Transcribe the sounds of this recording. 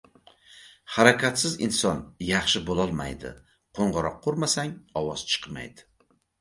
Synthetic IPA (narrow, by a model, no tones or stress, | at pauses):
haɾakʲʰat̪sɪzɪ̰nsɒnjɑχʃɪbolˠɒlˠma̰jd̪ɪ̰ | qʰoɴʁɨɾɒqʰːoɾmasaŋɒwɒz̥t͡ʃʰɨ̥qma̰jd̪ɪ̥